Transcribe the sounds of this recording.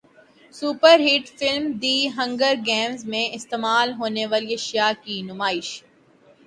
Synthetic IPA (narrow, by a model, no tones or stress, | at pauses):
suːpəɾɦiːʈfɪlmd̪iːɦɐ̃ŋɡəɾɡɛ̃ːmzmẽɪst̪eːmaːlɦoːneʋaːliɐʃijakinʊmaːɪʃ